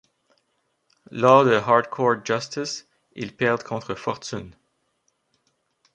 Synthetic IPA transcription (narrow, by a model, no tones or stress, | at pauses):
lɔːʁd̪əɦɑʁd̪kʰɔɹtʒast̪ɪs | ḭlpɛʁd̪kʰɔ̃t̪χəfɔʁt̪yn